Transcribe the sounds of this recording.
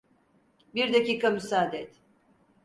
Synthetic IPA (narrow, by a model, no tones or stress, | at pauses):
biɾd̪aciːkʰamysaːd̪ɛt̪